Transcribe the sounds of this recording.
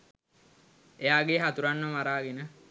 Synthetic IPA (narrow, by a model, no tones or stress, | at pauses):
ejaːɡeɦat̪uɾanːəmaɾaːɡenə